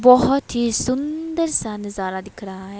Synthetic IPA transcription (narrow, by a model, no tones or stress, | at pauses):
bɔɦɔt̪ʰisund̪əɾsanɨzaɾad̪ikʰɾaːj